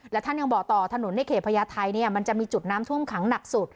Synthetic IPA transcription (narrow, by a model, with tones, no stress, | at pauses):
lɛː˦˥wt̪ʰa˥˩nja˧ŋbɔː˨˩k̚t̪ɔː˨˩t̪ʰa˧no˩˦nda˥˩kʰeː˨˩pʰa˧jaː˧t̪ʰa˧jniː˥˩ɐma˧nt͡ɕa˨˩miː˧t͡ɕu˨˩t̪̚naː˦˥mt̪ʰu˥˩əmkʰa˩˦ŋna˨˩k̚su˨˩t̪̚